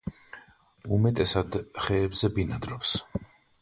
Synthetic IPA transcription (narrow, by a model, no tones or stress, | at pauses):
umɛt̪ʼɛsad̪χɛːbzɛbinad̪ɾɔps